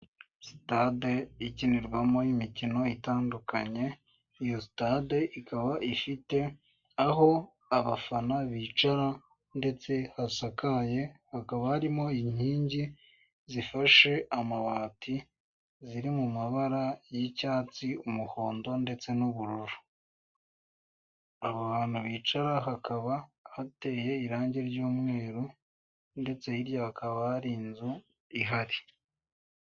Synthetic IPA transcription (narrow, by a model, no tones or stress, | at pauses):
si̥tadeiciniɾɡwamo̞jimicino̞itaːndukaɲe̞ | ijosi̥tadeʔikaβaʔifite̞ | aɦo̞ | aβafanaβit͡ʃaɾa | nde̞t͡se̞hasakaje̞hakaβahaɾimo̞iɲ̥hiːɲɟi | zifaʃe̞ʔamaβaːti | ziɾimumaβaɾajicaːt͡siumuho̞ːndo̞nde̞t͡se̞nuβuɾuɾu̥ | aβoβaːn̥huβiːt͡ʃaɾaɦakaβahate̞ːje̞iɾaːɲɟe̞ɾɟuːmŋe̞ːɾu | nde̞t͡se̞iɾjaakʰaβaɾiːnzu | iɦaɾi